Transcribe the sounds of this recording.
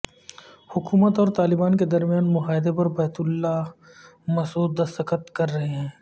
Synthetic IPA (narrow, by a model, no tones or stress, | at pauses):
hʊkuːmət̪ɔːɾt̪aːlɪbaːnked̪ɐɾmjaːnmʊɦaːɪd̪epɐɾbɐːt̪ʊlːa | mɐsuːd̪̚ːɐst̪əkət̪kɐɾːɐɦeɦɛ̃ː